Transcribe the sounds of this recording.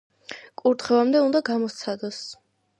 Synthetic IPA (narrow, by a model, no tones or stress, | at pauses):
kʼuɾt̪ʰχɛvamd̪ɛund̪aɡamɔt̪sʰad̪ɔs